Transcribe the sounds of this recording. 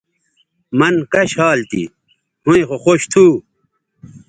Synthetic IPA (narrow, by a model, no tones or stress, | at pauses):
mɐnkɐɕhaːlt̪ḭ | hũẽxoxoɕt̪ʰuː